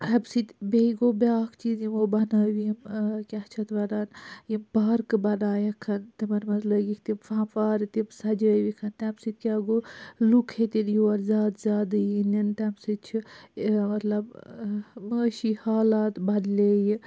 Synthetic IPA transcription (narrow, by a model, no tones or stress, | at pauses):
ɐbsit̪ʲbeiɡobʲaːkʰt͡ʃiːzjimobɐnəːʋiimkʲaht͡ʃʰɐt̪ʋɐɾaːnjimbaːɾkɨbɐnaːjɐkʰɐnt̪imɐɾmɐzləɡikt̪imfaːmfaːɾt̪ibsɐd͡ʒəːʋikʰɐnt̪absit̪̚kʲaːɡolukʰhet̪injuwɐɾzʲaːd̪zʲjaːd̪ɨinɐnt̪amsit͡ʃʰimɐt̪lɐb | məːʃihaːlaːt̪bɐd̪leːji